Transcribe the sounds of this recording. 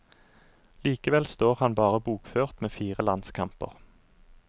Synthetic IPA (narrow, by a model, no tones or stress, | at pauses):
liːkəʋɛlst̪oːʁhɑnbɑːʁəbuːkføːʁt̪meːfiːʁəlɑnskʰɑmpə̰ʁ